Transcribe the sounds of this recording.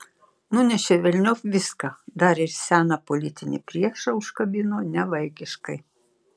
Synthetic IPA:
nʊnʲɛʃʲɛʋʲɛlʲnʲofʋʲɪskɐd̪ɐɾɪɾsʲæːnɐpolʲɪt̪ʲɪnʲɪ̰pʲɾʲiɛʃɐʊʃkɐbʲɪnonʲɛʋɐɪkʲɪʃkɐɪ

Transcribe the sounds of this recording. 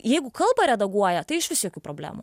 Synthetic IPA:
jɛɪɡʊkɐlˠbɐɾʲɛd̪ɐɡuɔjɛt̪ɐɪɪʃʋʲɪsʲiɔkʲuːpɾoːbʲlʲæ̰ːmṵ

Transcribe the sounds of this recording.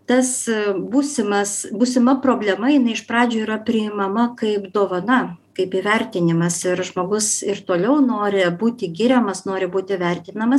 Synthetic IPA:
t̪ɐsbuːsʲɪmɐsbuːsʲɪmɐpɾoːbʲlʲɛmɐjɪnɐɪɪʃpɾɑːd͡ʒʲuːiːɾɐpʲɾʲɪɪmɐmɐkɐɪpd̪oːʋɐnɐkɐɪpiːʋʲɛɾʲt̪ʲɪnʲɪmɐsɪɾʒmoːɡʊsɪrt̪oːlʲɛʊnoːɾʲɪbuːt̪ʲɪɡʲɪɾʲɛmɐsnoːɾʲɪbuːt̪ʲɪʋʲɛrʲt̪ʲɪnɐmɐs

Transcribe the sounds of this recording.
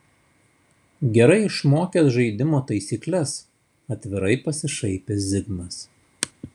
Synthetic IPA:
ɡʲɛɾɐɪɪʃmoːkʲeːsʒɐɪd̪ʲɪmoːt̪ɐɪsʲiːklʲɛs | ɐt̪ʲʋʲɪɾɐɪpɐsʲɪʃɐɪpʲezʲɪɡnɐs

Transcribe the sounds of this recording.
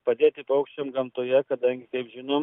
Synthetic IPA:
pɐd̪ʲeːt̪ʲɪpɐʊkʃʲt͡ʃʲomɡɐmt̪oːjɛkɐd̪ɐŋʲɡʲɪkɐɪpʒʲɪnoːm

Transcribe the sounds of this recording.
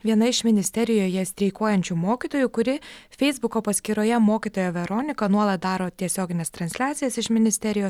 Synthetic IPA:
ʋʲiɛnɐɪʃmʲɪnʲɪsʲt̪ʲɛɾʲɪjoːjɛsʲt̪ʲɾʲɛɪkoːjɛnʲt͡ʃʲumoːkʲiːt̪oːjuːkʊɾʲɪfʲɛɪzbʊkoːpɐsʲkʲɪɾoːjɛmoːkʲit̪oːjoːʋʲɛɾoːnʲɪkɐnuɔlˠɐt̪̚d̪ɑːɾoːt̪ʲiɛsʲoːɡʲɪnʲɛst̪ɾɐnʲsʲlʲæːt̪sʲɪjɛsɪʃmʲɪnʲɪsʲt̪ʲɛɾʲɪjoːs

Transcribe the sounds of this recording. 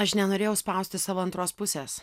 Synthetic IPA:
ɐʃnʲɛnoːɾʲeːjɛʊspɑˑʊsʲt̪ʲɪsɑːʋoːɐnt̪ɾoːspʊsʲeːs

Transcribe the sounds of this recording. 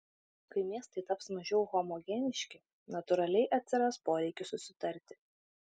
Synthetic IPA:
kɐɪmʲiɛst̪ɐɪt̪ɐpsmɐʒʲɛʊxɔmɔɡʲɛnʲɪʃʲkʲɪ | nɐt̪ʊɾɐlʲɛɪʔɐt̪ʲsʲɪɾɐspoːɾʲɛɪkʲɪsʊsʲɪt̪ɐɾʲt̪ʲɪ̥

